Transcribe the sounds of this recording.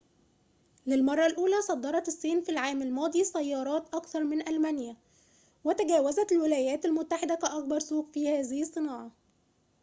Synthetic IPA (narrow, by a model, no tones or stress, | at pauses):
lɪlmɑrˤːɑlʔuːlæsˤɑd̪ˤːɑɾˤɑt̪ɪsˤːiːnfilʕaːmalmɑːd̪ˤiːsæjːɑːɾˤɑːt̪ʔɑkθɑɾˤmɪnʔælmænɪjæ | wɪt̪æɡæːwæzæt̪ɪlwɪlæːjæːt̪ælmʊt̪ːaħɪd̪ækæʔɑk̚bɑɾˤsuːqfiːhæːzɪhɨsˤːɨnɑːʕɑ